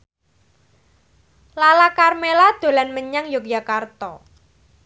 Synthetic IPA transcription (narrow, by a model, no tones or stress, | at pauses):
lalakarmelad̪̥o̤lanməɲaŋjokjakart̪ɔ